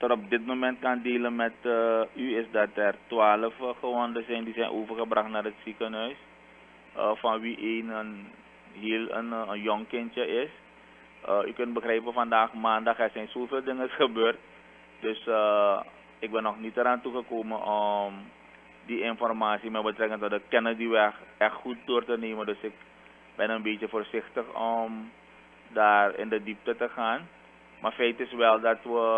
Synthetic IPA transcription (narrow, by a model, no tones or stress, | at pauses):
tɔtɔp̚dɪtmomɛnt̚kandeːlənmɛtəyɪsdɑtɛrtwaːləfəxəʋɔndəsɛjndisɛjnʔoːvərxəbrɑxtnaːrətsikənɦœɥs | əfɑnʋiʔeːnən | ɦiːlənənjɔŋkɪntjəɪs | əykɵnt̚bəxrɛjpəfandaːxmaːndɑxɛrsɛjnsoːveːlˠdɪŋəsxəbøːrt̚ | d̥øsə | ɪk̚bɛnːɔxnitəɾaːntuɣəkoːmənʔɔm | diɪnfɔrmaːsimɛbətrɛkəntɔdəkɛnədiʋɛxʔɛxtxut̚doːrtəneːməndøsɪk̚ | bɛnənbeːtjəfoːrsɪxtəxɔm | daːrɪ̰ndədip̚tətəxaːn | maːɹfɛjtɪsʋɛlˠdɑtʋə